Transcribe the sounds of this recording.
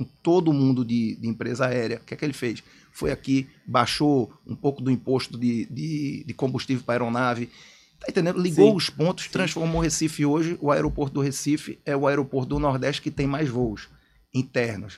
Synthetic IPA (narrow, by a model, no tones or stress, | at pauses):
ũt̪od̪ʊmũnd̪ʊd̪ɪd̪ɪĩpɾezɐaɛɾjɐkɪɛkɪelɪfejs | fojaki | baʃoṵ̃powkʊd̪ʊĩpoʃt̪ʊd̪ɪd̪ɪd̪ɪkõbuʃt̪ivewpɾaɛɾonavɪ | t̪aẽt̪ẽnd̪ẽd̪ʊliɡowʊspõnt̪ʊ̥ʃt̪ɾɐ̃sfoɾmohesifɪoʒɪʔʊaɛɾopoɾt̪ʊd̪ʊɦesifɪ̰ɛʊaɛɾopoɾt̪ʊd̪ʊnɔɾd̪ɛʃt͡ʃɪ̥kɪt̪ẽj̃majzvoʊs | ĩt̪ɛɾnʊs